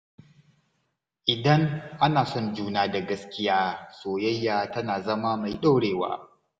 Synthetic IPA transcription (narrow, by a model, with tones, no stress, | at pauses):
ʔɪ˨dɐ˦ŋʔa˦naː˨sɔ˦nd͡ʒuː˦naː˦da˨ɡɐ˦skʲɪ˦jaː˦soː˨jɐ˦jːaː˨tɐ˦naː˨zɐ˦maː˦ma˨jɗa˦wɽeː˨wa̰ː˦